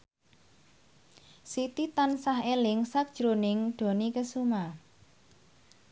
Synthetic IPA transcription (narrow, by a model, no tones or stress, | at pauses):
sit̪it̪ansaɦelɪŋsak̚d̥ʒ̥ɾonɪŋɖ̥o̤nikəsuma